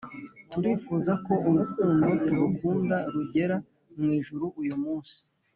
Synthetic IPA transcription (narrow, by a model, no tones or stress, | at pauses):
tuɾiːfuːzako̞uβukuːndotuβukuːndaɾuɟe̞ɾa | mŋiːʒuɾuʔujumuːnsi̥